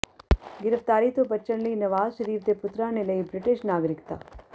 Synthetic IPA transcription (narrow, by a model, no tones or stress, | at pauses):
ɡɪɾəft̪aːɾit̪obɐtːʃəɽliinɐʋaːzʃɐɾiːfd̪epʊt̪ɾãnelɐibɾɪʈɪʃnaːɡɾɪkt̪a̰ː